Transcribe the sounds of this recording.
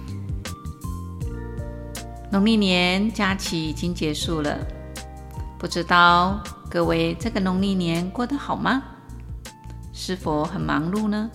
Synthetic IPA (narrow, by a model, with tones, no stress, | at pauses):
nʊ˧˥ŋli˥˩njɛ˧˥nt͡ɕja˥t͡ɕʰi˨˩i˨˩t͡ɕi˥ŋt͡ɕjɛ˧˥ʂu˥˩lə̰˩ | pu˥˧ʈ͡ʂɻ̩˥t̪ɑ˥˩ʊkɤ˥˧we˧˥ɪʈ͡ʂɤ˥˩ɡə˩nʊ˧˥ŋli˥˩njɛ˧˥˦nkwɔ˥˩d̪ə˨xɑ˨˩ʊmɐ˦ | ʂɻ̩˥˧fo˧˩ʊxə˨˩nmɑ̰˧˥˦ŋlu˥˧nə˧